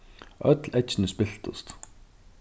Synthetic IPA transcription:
œt̪lɛt͡ʃnɪspɪɬt̪ʊ̰st̪

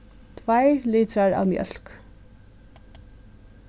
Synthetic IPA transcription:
t̪ʰvajliːt̪ɾaɹa̰ːwmjœ̰l̥k

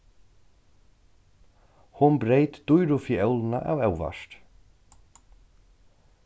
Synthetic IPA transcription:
hʊnbɾejt̪d̪̥ʊjɾʊfiœwlna̰ʔa̰wɛwva̰ʂt̪

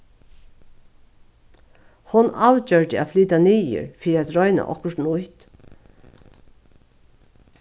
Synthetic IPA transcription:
hʊnaːwt͡ɕœɹd̪ɪa̰ːfliːt̪aniːə̰ɹfiːɾɪæt̪ɾɔjna̰ʔɔ̰hkʊʂʈn̩ʊjt̪

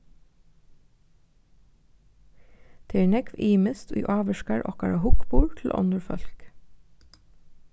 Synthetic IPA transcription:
d̪̥eːɳɛkʋiːməst̪ʰy̰ːʔɑːʋəʃkæɹʔɔ̰kɑɹɑhʊkbuːɹʈʰl̩ʔɔ̰nd̪əɹfœ̰lk

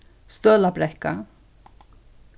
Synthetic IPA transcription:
st̪œːlabɾɛhka̰

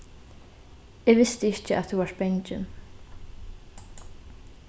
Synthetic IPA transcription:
ɛɣvɪst̪ɪɪhcɪað̥θuvaɾ̥t̪̚pejɲt͡ʃɪ̰n

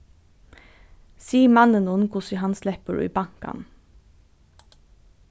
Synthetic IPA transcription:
siːmɑnənunkʰʊsihɑnslɛpəɹ̰ḭːbɑŋkɑ̰n

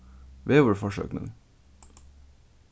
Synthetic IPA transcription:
ʋeːʋəfɔʃø̰ːknə̰ː

